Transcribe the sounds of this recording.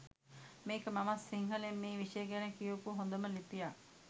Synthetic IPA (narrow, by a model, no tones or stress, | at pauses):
miːkəmɐmɐsːiŋɦɐlemːiːʋiʂejəɡænəkijokuɦond̪ɐməlipija